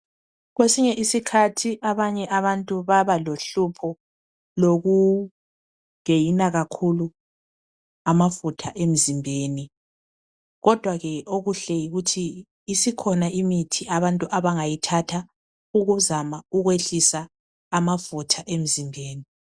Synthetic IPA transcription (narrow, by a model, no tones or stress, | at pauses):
ɣwesiɲɛʔisikʰatʰiʔaβaɲɛʔaβantʼuβaβaloɬupʰɔ | loɣu | ŋejinaɣakʰulu | amafutʰaʔem̩zimbʱeːni | ɣɔd̥ʱwaɣɛʔoɣuɬɛjiɣutʰiː | sikʰɔnaimitʰiʔaβantʼuʔaβaŋajitʰatʰa | uɣuzamauɣweɬisaː | mafutʰaʔem̩zimbʱeːni